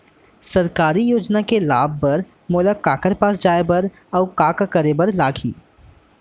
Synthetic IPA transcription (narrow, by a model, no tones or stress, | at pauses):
sɐɾkaːɾijoːd͡ʒnakelaːb̚ʱːɐɾ | mʊːlakaːkəɾpaːsd͡ʒaːebɐɾ | ɔːkaːkakəɾebɐɾlaːɡʱḭː